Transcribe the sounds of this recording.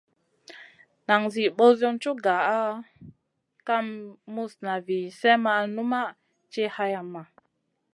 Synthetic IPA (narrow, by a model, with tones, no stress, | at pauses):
na˨ŋzi˨ɓo˦zo˦nt͡ʃu˦ɡa˨a˦ | ka˦mːu˦sna˨vi˨sɛ˦ma˦a˧nu˦ma˦ | t͡ʃe˦ha˧ja˨ma˨